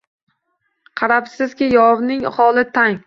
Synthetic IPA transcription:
qʰɑɾapsɪzkʲɪjɒvnɪŋχɒlˠɪt̪ʰaŋ

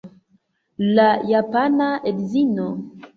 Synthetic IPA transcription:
lajapanaedzino

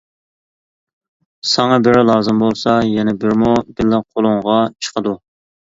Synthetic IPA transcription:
sɑŋɑbɪɾɪlˠɑːzɨmbolˠsɑjɛnɛbɪɾmubɪlːæqʰolˠʊŋʁɑt͡ʃʰə̥qʰəd̪u

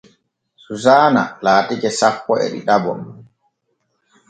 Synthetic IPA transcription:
suzaːna̰laːtikɛsapːɔɛ̰ɗḭɗabɔ̰m

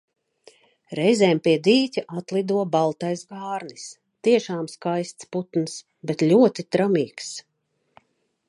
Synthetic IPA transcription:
ɾɛjzɛːmpiɛd̪iːtʲiʔat̪lˠid̪uɔbalˠt̪ajsɡaːɾnis | t̪iɛʃaːmskajst̪sput̪ns | bet̪lʲuɔt̪it̪ɾamiːks

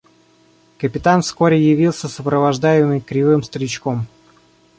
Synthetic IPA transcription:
kəpʲɪt̪anfskoɾʲɪjɪvʲilˠsʲəsəpɾəvɐʐd̪ajɪmmɨjkɾʲɪvɨmst̪əɾʲɪt͡ɕkom

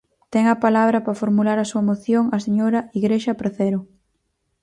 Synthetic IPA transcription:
t̪ɛŋɐpalaβ̞ɾɐpɾɐfoɾmulaɾɐsuɐmoθjoŋɐseɲoɾɐiɣɾeʃɐpɾaθɛɾʊ

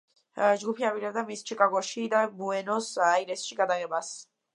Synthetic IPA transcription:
d͡ʒɡupʰiabiɾɛbd̪amist͡ʃʰikʼaɡɔʃid̪abuɛnɔsaiɾɛsʃiɡad̪aɡɛbas

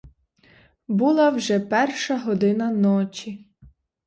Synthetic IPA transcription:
bulˠawʒɛpɛrʃɐɦɔd̪ɪnɐnɔt͡ʃʲi

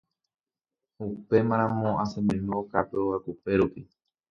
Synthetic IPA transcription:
upe̞mãɾ̃ãmõasẽmɨ̃nũokapeoakupe̞ɾupi

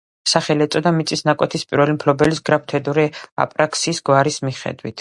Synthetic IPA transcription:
saχɛliɛt̪sʼɔd̪amit̪sʼisnakʼwɛt̪ʰispʼiɾvɛlimpʰlɔbɛlisɡɾap̚ʰt̪ʰɛd̪uɾia̰pʼɾakʰsiːsɡwaɾismiχɛ̰d̪wḭt̪ʰ

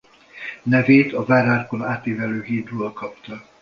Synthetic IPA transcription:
nɛveːt̪ɒvaːɾaːrko̞naːt̪eːvɛløːɦiːrɾoːlkɒpt̪ɒ

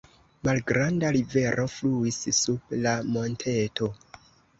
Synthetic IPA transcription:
malɡɾandaɾive̞ɾʔo̞fluissub̚lamo̞ntʰe̞to̞

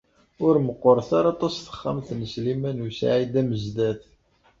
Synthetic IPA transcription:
ʊɾməqːoɾˤθaɾɑt̪ˤɑsθə̥χːa̰mθnəslimænusʕid̪æməzd̪æθ

